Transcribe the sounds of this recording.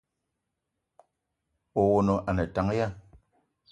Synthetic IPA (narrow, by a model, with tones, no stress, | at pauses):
o˨wo˨no˨ʔa˨nɛ˨ta˨˦ŋ˦ja˦˨